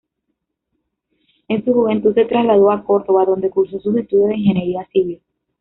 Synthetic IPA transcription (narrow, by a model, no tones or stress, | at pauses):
ensuxuβẽnt̪use̞t̪ɾazlaðoako̞ɾt̪o̞βaðõ̞nd̪e̞kuɾso̞susit̪uðoðeiŋxe̞neɾiasiβil